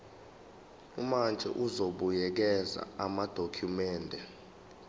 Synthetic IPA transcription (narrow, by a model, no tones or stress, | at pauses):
umand͡ʒʱɛ̰ʔuzoɓujɛk̬ɛza̰amad̥ʱokʰumɛːndʱɛ